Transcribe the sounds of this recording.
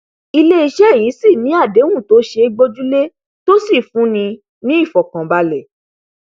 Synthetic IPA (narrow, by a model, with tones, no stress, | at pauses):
i˧le˦i˧ʃɛ˦ji˨˦si˦˨nĩ˨˦a˦˨de˨˦ũ˦˨to˨˦ʃe˧˦ɡ͡bo˦d͡ʒu˦le˦ | to˦si˦˨fũ˨˦nĩ˧ | nĩ˨˦i˦˨fɔ˨kã˨ba˧lɛ˨